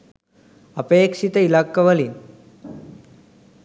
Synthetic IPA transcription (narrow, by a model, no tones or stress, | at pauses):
ɐpeːkʂit̪ɐilakːɐʋɐlin